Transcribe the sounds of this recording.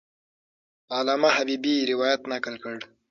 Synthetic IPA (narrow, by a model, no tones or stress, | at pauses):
alɑːmaɦabibiɾɪwɑjat̪nakəlkəɽ